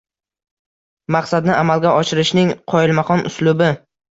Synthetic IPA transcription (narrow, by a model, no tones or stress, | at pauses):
mɑqsad̪nɪʔamalɡʲaɒʃɪɾɪʃnɪŋqʰɒɪlmaχɒnʊslʊbɪ